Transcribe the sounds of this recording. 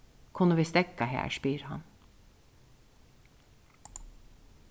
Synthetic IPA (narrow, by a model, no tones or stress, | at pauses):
kʰʊnəʋiːst̪ɛkɑhæ̰ːʃpiːɾhɑ̰n